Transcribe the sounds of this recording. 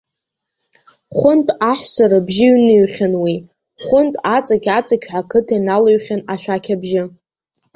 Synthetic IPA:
χʷʊntʼaħʷsaɾabʒɪɥnɨɥχʲanwi | χʷʊntʼat͡sʼakʲat͡sʼakʲħʷakʰɨtʰainalaɥχʲanaʃʷᶣakʲʰabʒɪ

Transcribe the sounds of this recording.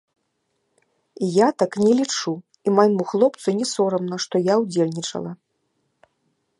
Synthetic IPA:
ijat̪aknʲɛlʲit͡ʂu | imajmuxlˠɔpt̪sunʲɛsɔɾɐmnɐʂt̪ɔjawd͡zʲelʲnʲit͡ʂɐ̰lˠɐ

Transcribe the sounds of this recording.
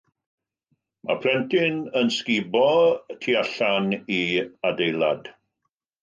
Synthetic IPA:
ma̰pʰrɛntʰɪnənskɪbɔtʰiaɬaniadejlˠa̰d̥

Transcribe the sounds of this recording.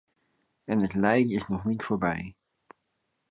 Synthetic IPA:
ɛnətlɛjdəɪsnɔχnitfoːɹbɛj

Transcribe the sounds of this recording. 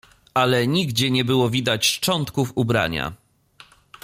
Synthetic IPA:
ʔalɛɲiɡd͡ʑɛɲɛbɘwɔvʲid̪at͡ɕt͡ʂɔnt̪kufubɾa̰ɲa̰

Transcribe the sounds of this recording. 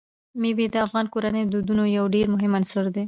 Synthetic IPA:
mebed̪əafɣɑnkoɾanəjd̪ud̪unojawɖeɾmʊɦɪmansʊɾd̪e

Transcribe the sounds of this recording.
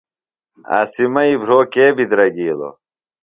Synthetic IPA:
a̰ːsimɐibʱɾoːkeːbid̪ɾɐɡiːlo̰

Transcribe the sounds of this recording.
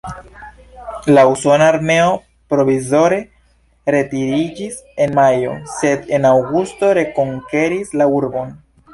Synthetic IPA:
lauso̞naːɾme̞o̞ | pɾo̞vizo̞ɾe̞ | ɾe̞tiɾid͡ʒis | e̞nmajo̞̰se̞de̞nawɡusto̞ɾe̞ko̞ŋke̞ɾislauɾbo̞n

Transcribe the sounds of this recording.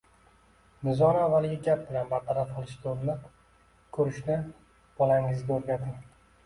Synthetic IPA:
nɪzɒnavːalɡʲɪɡʲap̚bɪlanbaɾt̪ʰaɾafqɨlˠɪʃd̪oɾnɪ | kʰɵɾɪʃnɪ | b̥ɒlˠaŋɪzɡʲaɵɾɡʲat̪ʰɪm

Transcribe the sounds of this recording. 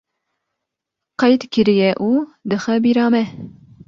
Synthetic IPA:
qɑjd̪kɨɾijɛʔuːd̪ɨxɛbiɾɑːmɛ

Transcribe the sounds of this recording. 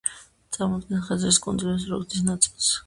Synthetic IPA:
t̪sʼaɾmɔd̪nɛnχɛzɾiskʼunzlɛs̬ɾṵd̪isnat̪sʼilˠs

